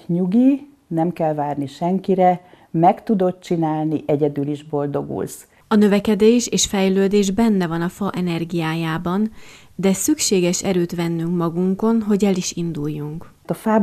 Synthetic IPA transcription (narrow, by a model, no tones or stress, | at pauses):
ɲuɡi | nɛmkɛlvaːrniʃɛŋkiɾɛ | mɛkt̪ud̪o̞t̪̚t͡ʃinaːlniʔɛɟɛd̪yliʒbo̞ld̪o̞ɡṵls | ɒnø̞vɛkɛd̪eːʃeːʃfɛjløːd̪eːʒbɛnːɛvɒnɒfɒʔɛnɛrɡijaːjaːbɒn | d̪ɛsykʃeːɡɛʃɛɾøːt̪ʋɛnːyŋkmɒɡuŋko̞nɦo̞ɟɛliʃind̪ujːuŋk | t̪ɒfaːb